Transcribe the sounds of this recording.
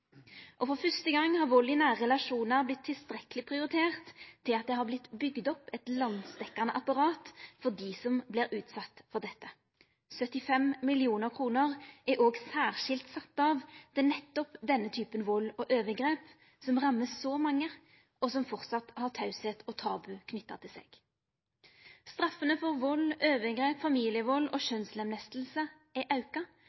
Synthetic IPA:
ʔɔfɔɾfœst̪əɡɑŋːhɑɾʋɔlɪnæʁɛlɑʂuːnəɾblɪt̪ʰːɪlst̪ɾɛkəlɪpʰɾʁɪʊɾɪt̪ʰeːʁt̪ʰːɪlɑt̪̚d̪ɛhɑblɪt̪ːbʏɡd̪ɔpːɛt̪lɑnd̪st̪ɛkːɑnəʔɑpɑɾɑːt̪fɔd̪isɔmblɪɾʉːt̪sɑt̪ːfɔʁd̪ɛt̪ːə | sœt̪ːɪfɛmmɪlɪuːnəɾkʰʁuːnəʁʔæʔoːɡsæːʁʂɪlt̪sɑt̪ːɑʋd̪̥ɛnɛt̪ːɔpd̪ɛnːət̪ʰyːpənʋɔlːɔʔøːʋəɡɾeːp | sɔmʁɑmːəssɔmɑŋːə | ɔsɔmfɔʁt̪sɑt̪hɑʁt̪ʰɑʉseːt̪ʰɔt̪ʰɑːbʉkʰnʏt̪ːɑ̰t̪ʰɪlsḛːɡ̥ | st̪ɾɑfːənəfɔʁʋɔlːøːʋəɡɾeːpfɑmiːlɪəʋɔlːɔʃœnslɛmnɛst̪l̩sə | ɛʔɑʉkɑ

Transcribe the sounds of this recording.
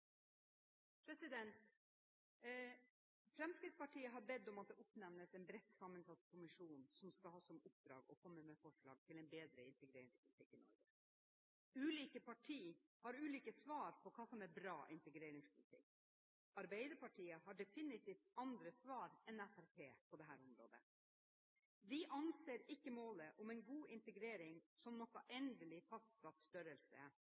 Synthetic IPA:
pʰɾɛsɪd̪ɛnt̪ | fɾɛmskɾɪt̪spɑʈʰiːəɦɑɾbɛd̪ːɔmɑt̪̚d̪ɛʔʊpnɛʋnəsɛnbɾɛt̪ːsɑːmːənsɑt̪ːkʰʊmɪʂuːnsɔmskɑlhɑːsɔmʊp̚d̪ɾɑ̰ːɡɔkʰɔmːəmɛfɔʂɭɑ̰ːɡ̚t̪ʰɪlɛɪnbeːd̪ɾəɪ̰nt̪ɛɡɾeːɾɪŋspʰʊlɪt̪ʰɪkːɪnɔ̰ɾɡə | ʉːliːkəpʰɑʈʰiː | hɑɾʉːliːkəsʋɑːɾpʰɔkʰɑːsɔmɛɾbɾɑːʔɪ̰nt̪əɡɾeːɾɪŋspʊlɪt̪ʰɪ̰kː | ɑɾbæɪd̪əɾpɑʈʰiːəɦɑɖɛfɪnɪt̪ʰiːft̪ɑnd̪ɾəsʋɑːɾɛnæfæɾpʰeːpʰɔd̪ɛɦæːɾʊmɾo̰ːd̪ə̰ | ʋɪʔɑnseːɾɪkːəmoːləʔɔmɛɪnɡuːʔɪnt̪əɡɾeːɾɪŋsɔmnɔkːɑʔɛnd̪əlɪfɑst̪sɑt̪st̪œɾəlsə̰

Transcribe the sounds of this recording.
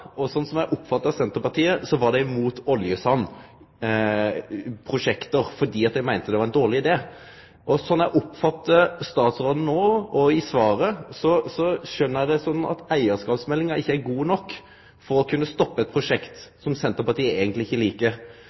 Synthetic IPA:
ɔsɔnːsɔmæɪʔʊpːfɑt̪ːəɑsɛnt̪əɾpɑt̪ʰiːəsɔʋɑʁd̪ɛmuːt̪ɔljəsɑnː | pʰɾʊʂɛkt̪əɾfɔd̪iːɑt̪̚d̪æɪmæɪnt̪əd̪ɛʋɑɾɛnd̪oːʁlɪɪd̪eː | ʔɔsɔnːæɪʔʊpfɑt̪ːəst̪ɑːt̪sɾoːd̪n̩noːɔɪsʋɑːɾəsɔsɔʃœnːəɾæɪd̪ɛsɔnːɑ̰t̪æɪəskɑːpsmɛlːɪŋɑɪçːəæɾɡuːnɔkː | fɔɾɔkʰʉnːəst̪ɔpːəɛt̪̚pʰɾʊʂɛkt̪sɔmsɛnt̪əpɑt̪iːəeɛːɡənt̪lɪɪçːəliːkə

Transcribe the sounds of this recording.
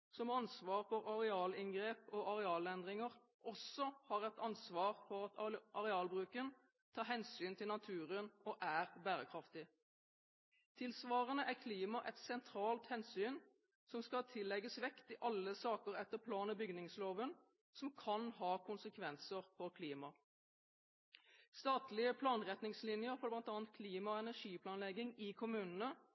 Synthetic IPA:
sɔmhɑnsʋɑːʁfɔʁɑʁɛɑːlɪŋɡʁeːpɔʔɑʁɛɑːlɛnd̪ʁɪŋəʁ | ʔɔsːɔhɑːʁɛt̪ɑnsʋɑːʁfɔʁɑt̪ʔɑʁɛɑːlbʁʉːkən | t̪ʰɑːɦɛnsyːnt̪ʰɪlnɑt̪ʰʉːʁənɔʔæːʁbæːʁəkʰʁɑft̪ɪ | t̪ʰɪlsʋɑːʁənəʔækʰliːmɑʔɛt̪sɛnt̪ʰɾɑːlt̪hɛnsyːn | sɔmskɑt̪ʰɪlːɛɡəsʋɛkt̪ɪʔɑlːəsɑːkəʁɛt̪ːəpʰlɑːnəbʏɡnɪŋsloːʋən | sɔmkʰɑnhɑːkʰʊnsəkʰʋɛnsəʁfɔʁkʰliːmɑ | st̪ɑːt̪lɪəpʰlɑːnʁɛt̪nɪŋslɪnjəɾfɔb̪lɑnt̪ɑːnt̪̚kʰliːmɑɛnæʁʂiːpʰlɑːnlɛɡɪŋɪkʰʊmʉːnənə

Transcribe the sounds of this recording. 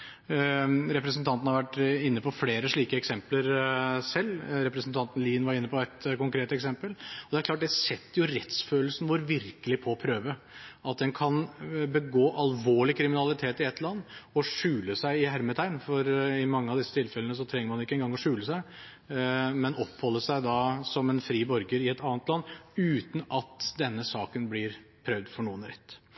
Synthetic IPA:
ɾɛpɾəsn̩t̪ʰɑnt̪n̩hɑʋæʈːɪnːəpʰɔfleːɾəʂɭiːkəɛksɛmpləɾsɛlːɾɛpɾəsn̩t̪ʰɑnt̪n̩liːnʋɑɾɪnːəpʰɔɛt̪kʊŋkɾeːt̪ɛksɛmpəlɔd̪ɛæɾkʰlɑːʈ̚d̪ɛsɛt̪ːəɾjʊɾɛt̪sføːl̩sn̩ʋʊɾʋɪɾkəlɪpʰɔpʰɾøːʋə | ɑt̪̚d̪ɛnkʰɑnbəɡoːʔɑlʋoːɭɪkʰɾɪmɪnɑlɪt̪ʰeːt̪ɪɛt̪ʰːlɑnːɔʂʉːləsæɪɪɦæɾmɪt̪ʰæɪnfɔɾɪmɑŋːəɑʋd̪ɪsːət̪ʰɪlfɛlənəs̬ɔt̪ʰɾɛŋəɾmɑnɪkːəɛnɡɑŋɔʂʉːləsæɪ | mɛnɔpːhɔlːəsæɪd̪ɑsɔmɛnfɾiːbɔɾɡəɾɪɛt̪ɑːnət̪lɑnːʉːt̪nɑt̪d̪ɛnːəsɑːkənblɪɾpʰɾœʋd̪fɔɳuːənɾɛt̪ː

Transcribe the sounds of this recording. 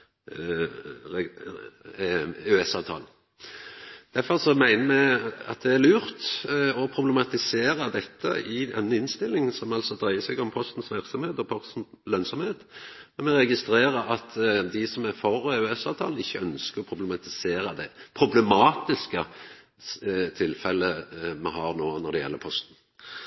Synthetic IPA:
ʉɛsɑːʋt̪ʰɑ̰ːln̩ | d̪̥æɾfɔɾsɔmæɪnəmɛɑ̰t̪̚d̪ɛæɾlʉːɾt̪ɔpʰɾʊbləmɑt̪ɪseːɾəd̪ɛt̪ʰːə̰ʔɪɛnːɪnst̪ɪlːɪŋsɔmɑlsɔd̪ɾæɪəsɛːɡɔmpʰɔst̪n̩sʋæɾksɑmheːt̪ɔpʰɔst̪n̩ | lœnsɔmheːt̪mɛnmɛɾɛɡɪst̪ɾeːɾəʔɑt̪d̪ɪsɔmæɾfɔɾeʉɛsɑːʋt̪ʰɑ̰ːln̩ɪçːəœnskəɾɔpʰɾʊblmɑt̪ɪseːɾəd̪ɛpʰɾʊblɛmɑːt̪ɪskə | t̪ʰɪlfɛlːəmɛhɑɾnoːnɔɖ̪ɛjɛ̰lːəɾpʰɔst̪n̩

